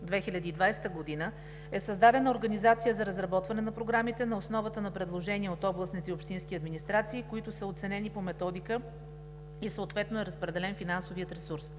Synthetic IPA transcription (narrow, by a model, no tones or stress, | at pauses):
d̪vɛxilʲɐd̪iːd̪vajst̪əɡod̪inə | ɛsəzd̪ad̪ɛnəoɾɡɐnizat̪sijəzɐɾəzɾɐbɔt̪vɐnɛnɐpɾoɡɾamit̪ɛnɐosnɔvət̪ənɐpɾɛd̪lˠoʒɛnʲiɛot̪ɔblˠəsnit̪ɛopʃt̪inskʲiɐd̪minist̪ɾat̪siːkoit̪ʊsəot̪sɛnɛnipomɛt̪ɔd̪ikə | isəot̪vɛt̪noɛɾəspɾɛd̪ɛlɛnfinansoviət̪ɾɛsuɾs